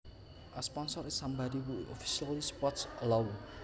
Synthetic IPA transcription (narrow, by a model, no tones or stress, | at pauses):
ʔaspɔnsɔɾɪsambadiwuʔɔfi̥sialispɔtsəlawl